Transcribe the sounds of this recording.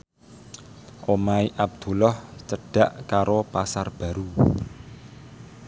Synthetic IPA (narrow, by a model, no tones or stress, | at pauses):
ʔomaiʔab̚d̪̥ṳlɔht͡ʃəɖ̥a̤ʔkaɾopasarb̥ä̤ɾu